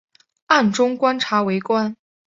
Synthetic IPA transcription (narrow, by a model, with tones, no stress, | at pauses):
a˥˩nʈ͡ʂʊ˥ŋkwa˥nʈ͡ʂʰa˧˥we˧˥ɪkwa˥n